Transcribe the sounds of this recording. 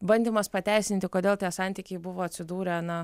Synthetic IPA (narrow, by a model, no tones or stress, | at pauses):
bɐnʲd̪ʲɪmɐspɐt̪ʲæɪsʲnʲɪnʲt̪ʲɪkoːd̪ʲeːlˠt̪ʲiɛsɑˑnʲt̪ʲiːkʲɛɪbʊʋoːɐt̪ʲsʲɪd̪uːɾʲɛnɐ